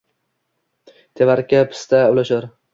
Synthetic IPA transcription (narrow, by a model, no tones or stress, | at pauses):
t̪ʰevaɾkʲapʰɪ̥st̪ʰaʊlaʃaɾ